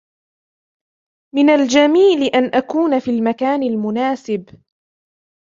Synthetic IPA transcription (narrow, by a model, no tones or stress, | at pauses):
mɪnald͡ʒamiːlɪʔanʔakuːnafiːlmakaːnɪlmʊnaːsɪb